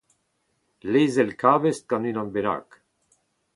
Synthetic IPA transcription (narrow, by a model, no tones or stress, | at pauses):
lejzɛlkʰaːvest̪̚ɡanynãnbeɾa̰ːk